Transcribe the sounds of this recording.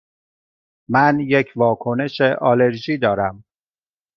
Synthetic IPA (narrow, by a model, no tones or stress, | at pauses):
mænjecʰvɒːkʰo̞ne̞ʃeʔɒːle̞ɾʒiːd̪ɒːɾæm